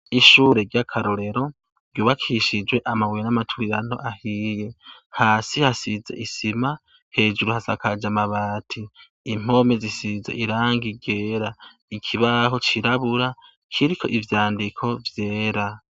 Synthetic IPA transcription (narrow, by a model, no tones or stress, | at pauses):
iʃuːɾe̞ɾɟakʰaɾoɾe̞ɾo̞ | ɾɟjuːβakʰiʃid͡ʒwe̞ʔamaβwojenamatʰuɾiɾano̞̰ʔahijehaːsihasizḛʔisima | he̞ːʒuɾuhasakad͡ʒamaβaːtʰiː | m̥o̞me̞zisizḛʔiɾaːŋɡiɟe̞ːɾa | ikʰiβaɦo̞t͡ʃiɾaβuɾa | kʰiɾikʰo̞̰ʔivjaːndikʰo̞vje̞ːɾa